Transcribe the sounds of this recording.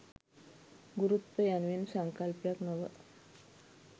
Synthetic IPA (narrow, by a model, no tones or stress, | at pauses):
ɡuɾut̪ʋəjanʋinsaŋkalpjaknəʋə̰